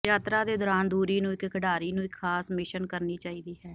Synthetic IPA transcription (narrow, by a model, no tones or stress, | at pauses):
jaːt̪ɾaːd̪eːd̪ɔːɾaːnd̪uːɾiːnũːɪkkəɖaːɾiːnũːɪkʰːaːsmɪʃənkəɾniːt͡ʃaːiːd̪iːɦɛː